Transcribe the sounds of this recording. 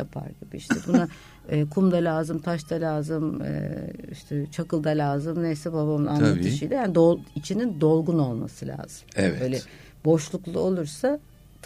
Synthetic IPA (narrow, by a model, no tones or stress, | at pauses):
a̰pʰa̰ɾɡibiʃt̪ɛɾbuna | ɛːkʰumd̪alʲaːzɯmt̪ʰaʃt̪ʰalʲaːzɯmɯ̰ḭʃt̪ʰɛt͡ʃʰakɯlˠd̪alʲaːzɯmnejsɛbabamɯna̰nˠat̪ʰɯʃijd̪ʲɛjaːnid̪oit͡ʃʰinind̪o̞lˠɡuno̞lˠma̰sɯlʲa̰ːz̥ɯmɛvø̞ːlʲɛ | bo̞ʃlˠuklˠuo̞lˠuɾsa | t̪